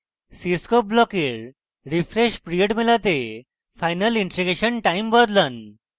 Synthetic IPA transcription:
siskɔp̚blɔkeɾ | ɾifɾeɕpɾiəʈmelat̪e | fajnəliɳʈɾiɡeɕənʈaimbəd̪lən

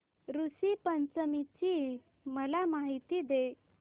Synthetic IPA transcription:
ɾusipənt͡səmit͡ɕiː | məlamaɦit̪iːd̪e

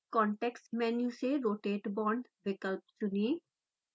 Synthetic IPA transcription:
kɔɳʈeksmɛnjuseɾoːʈeʈbɔːɳɖʋɪkəlp̚sʊni

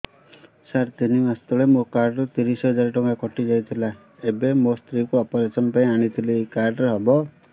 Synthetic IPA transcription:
saɾt̪inimast̪ɔɭemokaɾɖɾɔt̪iɾisɦɔd͡ʒaɾʈɔŋɡakɔʈid͡ʒajt̪ʰila | ebemost̪ɾikuɔpɔɾesɔnɔpaĩaɽ̃it̪ʰileejkaɾɖɾeɦɔbɔ

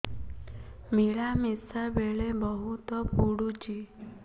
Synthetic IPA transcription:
miɭamisabeɭẽbɔɦut̪ɔpuɽut͡ʃi

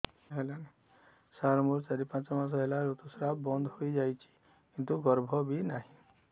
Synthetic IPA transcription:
ɦelane | saɾmuɾsaɾipãt͡ʃɔmas̬ɔɦelaɾut̪usɾabɔnd̪ʱhojd͡ʒajt͡ʃʰi̥ | kint̪uɡɔɾbʱɔbinaɦĩ

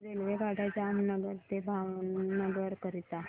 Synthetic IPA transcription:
ɾelʋeɡaɽʱad͡zamnəɡəɾt̪ebʱawnəɡəɾkəɾit̪a

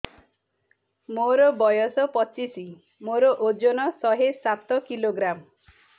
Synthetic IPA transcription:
moɾɔbɔjɔsɔpɔt͡ʃisi | moɾɔʔod͡ʒonɔsɔɦesat̪ɔkiloɡɾam

